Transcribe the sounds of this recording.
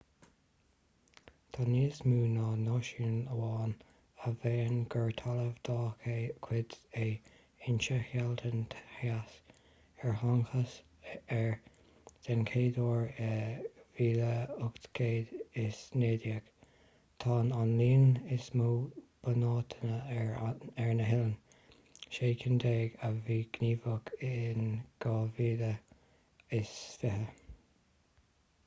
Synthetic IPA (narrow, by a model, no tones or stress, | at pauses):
t̪ʰɑniːsmuːnɑːnɑːʃinəwɑːn | əveːnɡəɹt̪ʰaləvd̪ɑːkʰekʰwɪd̪e | ɪnt͡ʃəhalt̪ʰəntʰhas | ɛɹhaŋxəs | ɛɹ | z̥ɛnkʰeːd̪oːɹeviːləʊktkʰeːd̪ɪsneːd̪jək | t̪ʰɑːnanliːnɪsmuːb̥ənɑːt̪ʰənə | ɛɹnəɦɪlən | ʃeːkʰɪnd̪eːɡəviːɡ̥niːvəɡɪnɡ̥ɑːviːlə | ɪsfɪɦə